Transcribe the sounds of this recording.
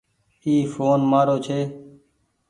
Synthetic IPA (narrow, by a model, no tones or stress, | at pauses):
iːfoːnmaːɾoːt͡ʃʰeː